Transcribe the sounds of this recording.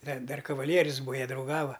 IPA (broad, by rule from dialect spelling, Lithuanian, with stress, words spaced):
dɐ ˈdɐr kɐˈʋɑːlʲiɛrʲʊs ˈbuːɐ ˈjiɛ drɐʊˈɡɑːʋɐ